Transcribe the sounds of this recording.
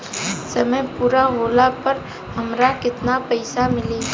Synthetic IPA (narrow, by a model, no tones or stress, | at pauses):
sɐməjpuːɾaɦoːlapəɾ | ɦɐmɾakɪt̪napəɪsamɪliː